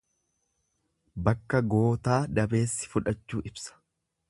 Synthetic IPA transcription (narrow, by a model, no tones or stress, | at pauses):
bɐkːɐɡo̞ːt̪aːd̪ɐbe̞ːsːɪ̥fʊᶑɐt͡ʃːuːʔɪbsɐ̥